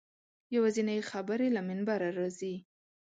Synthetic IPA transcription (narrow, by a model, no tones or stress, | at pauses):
jawazinajexabəɾelamɪnbaɾaɾɑzi